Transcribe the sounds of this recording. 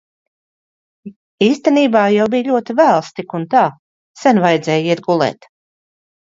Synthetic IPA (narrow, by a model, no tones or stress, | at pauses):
iːst̪ɛniːbaːjawbijʎʲuɔt̪ivælˠst̪ikunt̪aː | sɛnvajd̪zʲɛːjiɾɡulˠɛ̰ːt̪